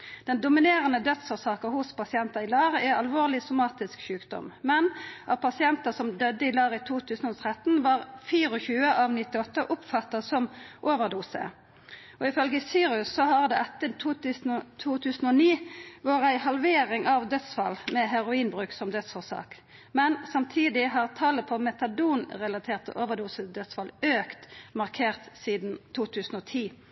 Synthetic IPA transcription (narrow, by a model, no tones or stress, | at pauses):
d̪̥ɛnd̪ʊmɪneːʁənəd̪œt̪soːsɑːkəhʊspɑsɪɛnt̪ɑɪlɑːʁɛɑlʋoːʁlɪsʊmɑːt̪ɪskʃʉːkd̪ɔ̰mmɛnʔɑpʰɑsɪɛnt̪ɑsɔmd̪œd̪ːəɪlɑːʁɪt̪ʰuːt̪ʰʉːsnɔt̪ʰʁɛt̪ːn̩ʋɑːʁfiːʁəɔçʉːəʔɑʋnɪt̪ɪɔt̪ːəʔʊpfɑt̪ːɑsɔmʔoːʋəʁd̪uːsə̰ | ɔɪfœlɡəsyːɾʉsːɔɦɑʁd̪ɛːʔɛt̪ːət̪ʰuːsn̩t̪ʰuːt̪ʰʉːsən̩ɔniːʋʊʁæɪhɑlʋeːʁɪŋʔɑʋd̪œt̪sfɑlmɛɦɛʁʊiːnbʁʉːksɔmd̪œt̪sfɔʁsɑ̰ːk | mɛnsɑmt̪ʰiːd̪ɪɦɑʁt̪ʰɑːləpʰɔmɛt̪ɑd̪uːnʁɛlɑt̪ʰeːʁt̪ʰə̰ʔoːʋəʁd̪uːsəd̪œt̪sfɑløːkt̪mɑʁkʰeːʁt̪siːd̪nt̪ʰuːt̪ʰʉːsn̩ɔt̪ʰiː